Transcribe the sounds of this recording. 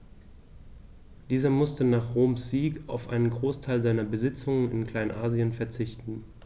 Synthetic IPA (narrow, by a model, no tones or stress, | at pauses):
d̥iːzɐmʊstənaːχʁoːmsz̥iːka̰ʊfʔa̰ɪnənɡʁoːstʰaɪlzaɪnɐbəzɪt͡sʊŋənɪ̰nkl̥aɪnʔaːziənfɛɐt͡sɪçtn̩